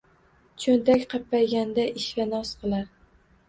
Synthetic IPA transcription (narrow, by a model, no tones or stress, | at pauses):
t͡ʃʰɵnt̪akʲqʰɑpːajɡʲand̪aʔɪʃlʲanɒsqɨlˠaɾ